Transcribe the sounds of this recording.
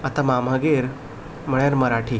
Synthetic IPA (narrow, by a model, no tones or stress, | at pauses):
at̪amam̤əɡeɾ | m̤əɭjaɾməɾaʈʰi